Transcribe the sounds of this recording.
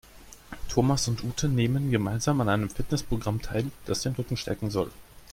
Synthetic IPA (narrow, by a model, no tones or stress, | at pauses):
tʰoːmasʊntʔuːtʰəneːmənɡəmaɪnzaːmanʔaɪnəmfɪtnɛspʁ̥oɡʁamtʰaɪld̥asd̥eːnʁʏkŋ̩ʃtʰɛ̰ɐkŋ̩zɔl